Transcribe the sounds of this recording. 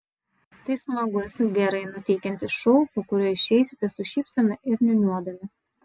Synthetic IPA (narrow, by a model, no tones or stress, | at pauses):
t̪ɐɪsmɐɡʊsʲɡʲɛɾɐɪnʊt̪ʲɛɪkʲɛnʲt̪ʲɪʃɔʊpokʊɾʲuɪʃʲɛɪsʲɪt̪ʲɐsʊʃʲiːpsɐmʲɪʔɪɾnʲɛnʲuɔd̪ɐmʲɪ